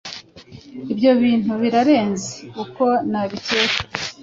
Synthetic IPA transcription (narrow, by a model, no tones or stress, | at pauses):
ibɟo̞βiːn̥uβiɾaɾe̞ːnzekuko̞naβiteke̥